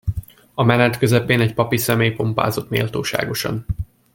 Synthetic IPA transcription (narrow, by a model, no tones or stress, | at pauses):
ɒmɛnɛt̪kø̞zɛpeːnɛcpɒpisɛmeːjpo̞mpa̰ːzo̞t̪mḛːlt̪oːʃa̰ːɡo̞ʃɒ̰n